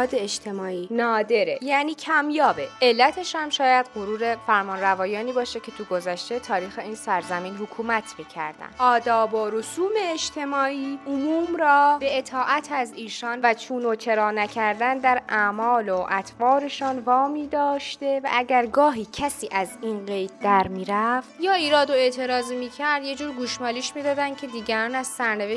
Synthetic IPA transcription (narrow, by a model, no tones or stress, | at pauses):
ɒːd̪eed͡ʒt̪ʰe̞mɒːʔiːnɒːd̪e̞ɾejæːniːcʰæmjɒːbe̞e̞lːæt̪ʰe̞ʃhæmʃɒːjæd̪ɢoɾuːɾe̞fæɾmɒːnɾævɒːjɒːniːbɒːʃecʰe̞t̪ʰuɡo̞zæʃt̪e̞t̪ʰɒːɾiːxe̞iːnsæɾzæmiːnɦokʰuːmæt̪ʰmiːcʰæ̰ɾd̪æ̰nʔɒːd̪ɒːbɒːɾosuːmeːd͡ʒt̪ʰe̞mɒːiːomuːmɾɒːbe̞et̪ʰɒːʔæt̪ʰæziːʃɒːnvæt͡ʃʰuːnot͡ʃʰe̞ɾɒːnæcʰæɾd̪ænd̪æɾæːmɒːloʔæt̪ʰvɒːɾe̞ʃɒːnvɒːmiːd̪ɒːʃt̪e̞væ̰ʔæɟæɾɡɒːɦiːcʰæsiːʔæziːnɢe̞jd̪̚d̪æɾmiːɾæft̪jɒːiːɾɒːd̪oe̞ːt̪ʰe̞ɾɒːzimiːcʰæɾd̪je̞d͡ʒuːɾɡuːʃmɒːliːʃmiːd̪ɒːd̪æn̥cʰe̞d̪iːɟæɾɒːnæz̥sæɾne̞ve